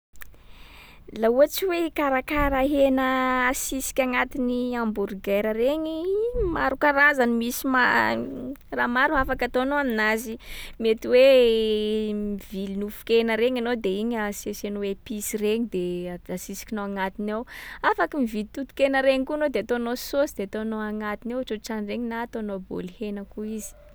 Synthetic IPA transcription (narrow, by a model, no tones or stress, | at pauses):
lauat͡siwekaɾakaɾaɦenəːsisi̥kʲaŋat̪iniambuɾɡeɾəreɲimaɾukaɾazanimisima | ramaɾuafakat̪onoaminazimet̪iwe | mivilinufu̥kenəɾeɲanod̪eiɲasesenuwepisireɲid̪easisi̥kinoaŋat̪inawafakimivilt̪ut̪u̥kenəɾeɲikuanod̪eat̪onososid̪̥eat̪onoaŋat̪inewaʈ͡ʂoʈ͡ʂanreɲinaːt̪onobo̰lhenəkuizi̥